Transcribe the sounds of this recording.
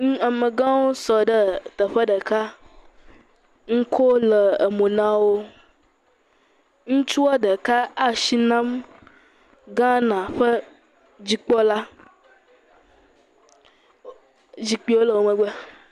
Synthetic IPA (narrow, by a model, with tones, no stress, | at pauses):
ŋũ˦a˨mə˨ɡã˦wo˦sɔ˨ɖə˦t̪ə˨ɸə˦ɖə˨ka˦ | ŋ̩˦kʰo˦lə˨ə˨mõ˨nã˦wo˦ | ŋũ˦t͡ʃu˦wɔ˦ɖə˨ka˦a˦ʃi˦nã˦m | ɡã˦nã˨ɸə˦ | d͡ʑi˨k͡pɔ˦la˦ | d͡ʑi˨k͡pi˦wo˦lə˨wo˨mə̃˨ɡ͡bɛ˦